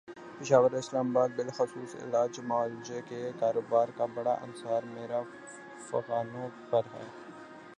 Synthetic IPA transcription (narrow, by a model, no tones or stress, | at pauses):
pɪʃaːʋəɾɪslaːmabaːd̪̚bɪlxʊsuːsɪ̰laːd͡ʒmaːlɪd͡ʒekekaːɾoːbaːɾkabɐɽaʔɐ̰nsaːɾmeːɾa | fɐ̰ɣaːnõpɐɾɦɛ̰ː